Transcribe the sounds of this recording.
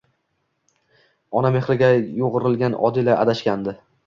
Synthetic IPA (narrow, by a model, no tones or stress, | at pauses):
ɒname̞χlɪɡʲajoʁɨɾɪlɡʲanʔɒ̰d̪ɪlaʔa̰d̪aʃkʲand̪ɪ